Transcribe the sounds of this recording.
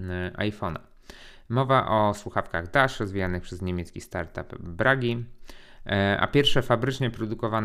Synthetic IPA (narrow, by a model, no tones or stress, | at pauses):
ʔa̰jfɔna̰ | mɔvaʔɔswuxafkaɣd̪aʂɾɔzvʲijanɘxpʂɛzɲemʲjɛt̪skʲist̪aɾt̪a̰pbɾaɡʲi | a̰pʲjɛɾfʂɛfabɾɘt͡ʂɲɛpɾɔd̪ukɔvan